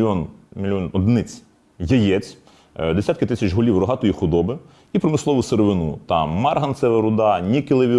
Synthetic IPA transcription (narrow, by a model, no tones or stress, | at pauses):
ɔnmʲilʲɔnɔd̪nɪt͡sʲ | jɐjɛt͡sʲ | d̪esʲat̪kɪt̪ɪsʲɐt͡ʃɦɔlʲiwrɔɦɑt̪ɔjixʊd̪ɔbɪ | ipɾɔmɪslˠɔʋʊseɾeʋɪnṵt̪ɑmɑrɦɐnt̪sɛʋɛɾʊd̪ɑnʲikɪlˠeʋʲi